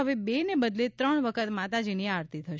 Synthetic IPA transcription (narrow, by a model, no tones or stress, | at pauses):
əʋebenebəd̪let̪ɾəɳ̃ʋəkʰət̪mat̪ad͡ʒiniaɾt̪it̪ʰəʃ